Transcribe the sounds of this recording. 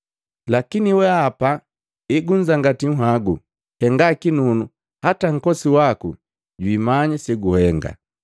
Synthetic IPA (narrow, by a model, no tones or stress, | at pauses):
lakiniwɛapa | iɡuɲd͡ʒaŋɡatiŋ̩ɦaɡu | hɛŋɡakinunu | hataŋ̩kɔsiwaku | ɟwimaɲasɛɡuhɛŋɡa̰